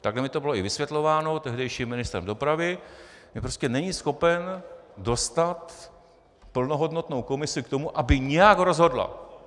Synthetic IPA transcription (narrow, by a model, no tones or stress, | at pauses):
t̪aɡlɛmɪt̪o̞bɪlo̞ʔɪvɪsvjɛt̪lo̞vaːno̞t̪ɛɦdɛjʃiːmːɪnɪst̪ɾɛ̰mdo̞pɾavɪmɪpɾoscɛnɛɲiːsxo̞pɛndo̞st̪at̪ | pl̩no̞ɦo̞dno̞t̪no̞wko̞mɪsɪk̚t̪o̞muʔabɪɲɛjaɡɦrɾo̞zɦo̞dla̰